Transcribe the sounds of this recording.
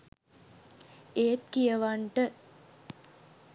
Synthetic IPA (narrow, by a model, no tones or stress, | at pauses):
eːt̪̚kijəʋaɳʈə